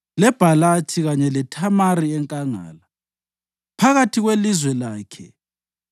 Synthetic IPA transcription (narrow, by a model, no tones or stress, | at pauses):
lɛb̥ʱalatʰiɣaɲɛlɛtʰamaɾiɛŋkʼaŋa̰ːla | pʰaɣatʰiɣwelizwɛlaːkʰɛ̰